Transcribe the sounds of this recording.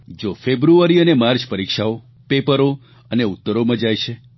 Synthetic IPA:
d͡ʒofebɾuaɾiənemaɾt͡ʃpəɾikʃao | pepəɾo | əneut̪ːəɾomãd͡ʒajʃʰe

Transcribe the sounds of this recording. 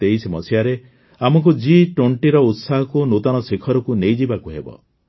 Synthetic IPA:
t̪eisemɔsijaɾe | amɔk̬ud͡ʒiʈoɳʈiɾɔut̪saɦɔkunot̪ɔñɔsekʰɔɾɔkunejd͡ʒibakuɦebɔ̰

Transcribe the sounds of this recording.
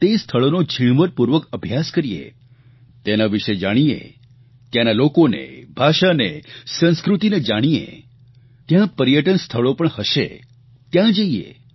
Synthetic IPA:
t̪est̪ʰəɭonod͡ʒʱiɳ̃ʋəɾpuɾʋəkəbʱjaskəɾijḛ | t̪enaʋiʃed͡ʒaɽ̃iḛ | t̪janalokonḛbʱaʃanesə̃ñskɾut̪ined͡ʒaɽ̃iḛ | t̪jãpəɾjəʈənst̪ʰəɭopəɳhəʃḛ | t̪jãd͡ʒəiḛ

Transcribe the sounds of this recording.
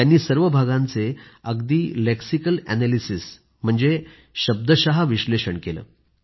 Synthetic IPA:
anːiːsəɾʋəbʱaɡãnt͡seəɡd̪iːleksikəlæ̰nalisis | m̤əɳd͡ze | ɕəb̚d̪əɕaɦaʋiɕleɕəɳkelə̰ː

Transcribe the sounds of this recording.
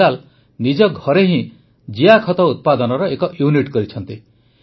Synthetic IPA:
al | nid͡ʒɔɡʱɔɾeɦĩ | d͡ʒijakʰɔt̪ɔut̪̚pad̪ɔnɔɾɔekɔʔjuniʈkɔɾit͡ʃʰɔnt̪i

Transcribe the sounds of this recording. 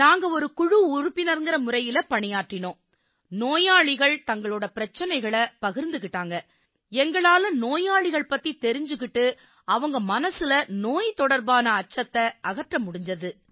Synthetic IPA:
naːŋɡɐɔɾɯkʊɻɯʊɾʊpːɪnɐɾŋɡɪɾɐmʊɾɐjɪlɐpɐɳɪjaːʈːɪnõː | noːjaːɭɪɣɐɭt̪ɐŋɡɐɭɯːɽɐpɪɾɐt͡ʃːɐnɐɪɣɐɭɐpɐɣɪɾnd̪ɯkɪʈːaːŋɡɐ | ɛŋɡɐɭaːlɯ̃mnoːjaːɭɪɣɐɭpɐt̪ːit̪ɛɾɪɲd͡ʒɯkɪʈːɯ | ɐʋɐŋɡɐmɐnɐsɪlɐnoːjt̪ɔɽɐɾbaːnɐːt͡ʃːɐt̪ːɐʔɐɣɐʈrɐmʊɽɪɲd͡ʒɐðɯ

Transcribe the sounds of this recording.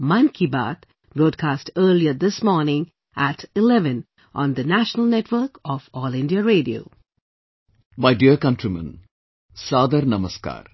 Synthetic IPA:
mãnkʰiba̰ːt̪ | bɾoːɖ̚kʰaːsʈəːliəd̪ɪsmɔːɾnɪ̃ŋ | ʔæʈɪlɛʋə̃n | ʔɔ̃nd̪ənæʃənəlˠnɛʈʋəɾkɔfɔːlɪ̃nɖiəɾeːɖio̰ː | majɖiəkɐnʈɾimɐ̰̃n | saːd̪aɾnɐmɐska̰ːɾ

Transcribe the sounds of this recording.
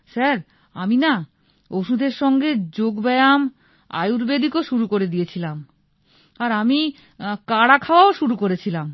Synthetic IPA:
ʃaɾ | a̰mina | oʃud̪ʱeɾʃɔŋɡed͡ʑoɡbɛjam | a̰juɾbed̪ikoʃuɾukoɾed̪ijet͡ɕʰilam | aɾami | kaɽakʰaoaoʃuɾukoɾet͡ɕʰilam

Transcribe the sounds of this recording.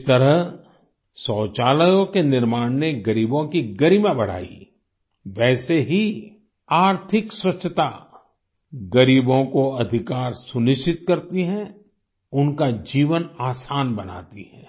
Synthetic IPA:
t̪əɾəɦ | sɔːt͡ʃaːləjõkenɪɾmaːɽneɡɐɾiːbõkiɡɐɾimabɐɽ̤a̰ːḭ | ʋɛːseɦi | aːɾt̪ʰɪkswɐtʃʰət̪a | ɡɐɾiːbõkoɐd̪ʱɪkaːɾsʊnɪʃt͡ʃɪt̪̚kɐɾt̪iɦɛ̃ | ʊnkad͡ʒiːʋənaːsaːnbɐna̰ːt̪iɦɛː

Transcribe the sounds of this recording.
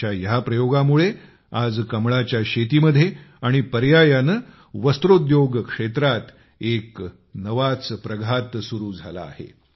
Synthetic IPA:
ajapɾəjoɡamuɭe | ad͡zkəmɭat͡ɕjaɕet̪iːməd̪ʱːjeaɽ̃ipəɾjajanə | ʋəst̪ɾod̪joɡkʂet̪ɾat̪ | ek | nəʋat͡spɾəɡʱat̪suɾuːd͡zʱa̰la̰ːhḛ

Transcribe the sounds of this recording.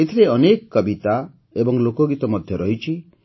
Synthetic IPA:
et̪ʰiɾeɔnekkːɔbit̪a | ebɔŋlokoɡit̪ɔmɔd̪ʱjɔɾɔɦit͡ʃʰi

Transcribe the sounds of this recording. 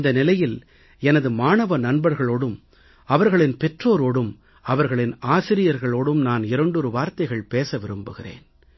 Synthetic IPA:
nd̪ɐnɪlɐjɪl | ɛnɐðɯmaːnɐʋɐnɐnbɐɾɣɐɭoːɽɯm | ɐʋɐɾɣɐɭɪnpɛʈroːɾoːɽɯm | ɐʋɐɾɣɐɭɪnaːsɪɾɪjɐɾɣɐɭoːɽɯmnaːnɪɾɐɳɖɔɾɯʋaːɾt̪ɐɪɣɐɭpeːsɐʋɪɾɯmbɯɣɪrḛːn

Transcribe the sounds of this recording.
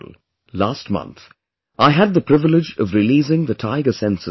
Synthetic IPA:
l | laːst̚mʌ̰̃nθ | ʔaɪɨd̪̚ðəpʰɾ̥ɪvɪlɪd͡ʒʌ̰vɾɪliːzɪ̃ŋðətʰaɪɡəsɛ̃nsə

